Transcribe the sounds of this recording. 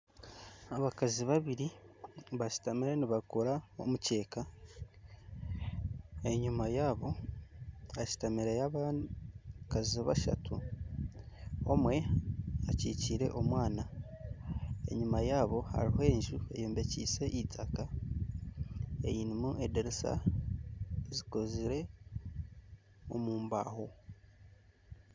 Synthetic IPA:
aβakaziβaβiɾiβaʃi̥tamiɾeniβakoɾao̞̰muce̞ːka | e̞ɲumajaːβo̞ | aʃi̥tamiɾejaβa | kaziβa̰ʃa̰tʰu | o̞mwe̞aciːciːɾe̞̰ʔo̞mwaːna | e̞̰ɲumajaːβo̞ha̰ɾihoe̞ːɲʒue̞̰joːmbe̞cḭːse̞ʔitʰaka | e̞̰jiːnimuʔedeɾisa̰ | zikoziɾe̞ | o̞muːmba̰ːho̞

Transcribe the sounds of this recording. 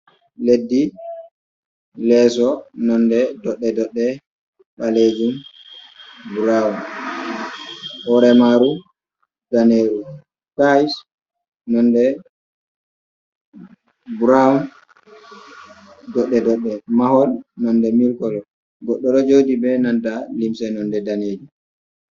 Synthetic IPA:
ledːi | lɛs̬ɔnɔndɛdɔɗːɛdɔɗːɛ | ɓaled͡ʒum | buɾaun | hɔɾɛmaɾu | ɡaneɾu | kajs | nɔndɛ | buɾaun | dɔɗːɛdɔɗːɛmahɔlnɔndɛmilkɔlɔ | ɡɔɗːɔɾɔd͡ʒodibɛnantalimsɛnɔndɛdaned͡ʒu

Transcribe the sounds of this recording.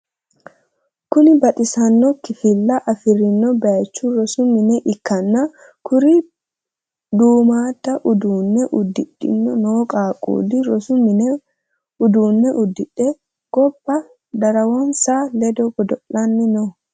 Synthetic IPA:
kʊnɪbɐt̪ʼɪsɐnːɔkɪfɪlːɐʔɐfɪɾɪnːɔbɐɐt͡ʃːuɾɔsʊmɪnɛʔɪkːɐnːa | kʊɾi | d̪uːmaːt̪ːɐʔʊd̪uːnːɛʔʊd̪ɪᶑɪ̰nːɔnoːkʼaːkʼṵːlɪɾɔsʊmɪn | ʊd̪uːnːɛʔʊd̪ːɪᶑɛ | ɡ̥ɔbːɐ | d̪ɐɾɐwɐnsaːlɛd̪ɔɡɔd̪ɔlːɐnːɪnɔ

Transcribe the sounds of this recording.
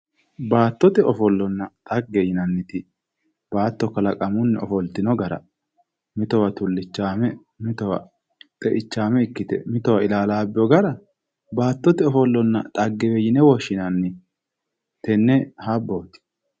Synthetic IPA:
baːt̪ːɔt̪ɛɔfɔlːɔnːɐt̪ʼɐɡːɛjɪnɐnːɪt̪ɪ | b̥aːt̪ːɔkɐlɐkʼɐmʊnːɛɔfɔlt̪ɪnɔɡɐɾɐ̰ | mɪt̪ɔwɐt̪ʊlːɪt͡ʃːaːmɛ | mɪt̪ɔwɐ̰ | t̪ʼɛʔɪt͡ʃːaːmɛɪkːɪt̪ɛ̰mɪt̪ɔwɐɪlaːlaːbːɪjɔɡɐɾɐ | baːt̪ːɔt̪ɛɔfɔlːɔnːɐ̰t̪ʼɐɡːɛbɛjɪnɛwɔʃːɪnɐnːɪ | t̪ɛnːɛhabːoːt̪ɪ̥

